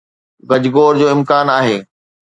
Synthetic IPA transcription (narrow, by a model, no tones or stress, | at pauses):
ɡɐd͡ʑɪɡoːɾd͡ʑoːɪ̃mkaːnaːɦeː